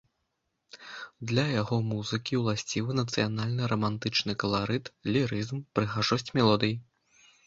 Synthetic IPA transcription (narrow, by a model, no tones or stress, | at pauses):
d̪lʲɐjaɣɔmuzɨkʲiwlˠasʲt͡sʲivɨnɐt̪sɨjanalʲnɨɾɐmant̪ɨt͡ʂnɨkɐlˠaɾɨt̪lʲiɾɨzmpɾɨɣaʐɔsʲt͡sʲmʲɛlˠɔd̪ɨji